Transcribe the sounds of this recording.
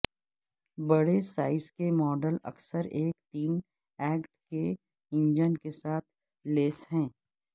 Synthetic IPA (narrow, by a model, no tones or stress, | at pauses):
bɐɽesaːɪskemɔːɖəlɐ̰ksəɾeːkt̪iːn | ɛːkʈke | ɪ̃nd͡ʒənkesaːt̪̚ʰ | leːsɦɛ̃ː